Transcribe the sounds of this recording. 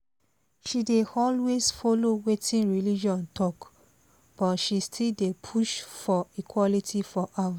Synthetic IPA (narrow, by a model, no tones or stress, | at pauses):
ʃideɔlwezfolowetʰĩnɹilid͡ʒɔ̃ntʰɔk | b̥ɔtʃistʰildepʰuʃfɔikʰwɔlitʰifɔʔat